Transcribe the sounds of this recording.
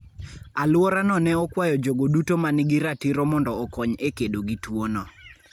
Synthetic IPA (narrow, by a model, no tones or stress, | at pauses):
alwɔɾanɔnɛɔkwajɔd͡ʒoɡodutomanɪɡɪɾatiɾɔmɔndɔːkɔɲekedoɡitwonɔ